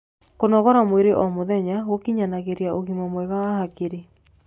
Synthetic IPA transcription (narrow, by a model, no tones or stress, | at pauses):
konɔɣɔɾamweɾeʔɔmoðɛɲaɣokiɲanaɣeɾiaʔoɣimɔmweɣawahakeɾe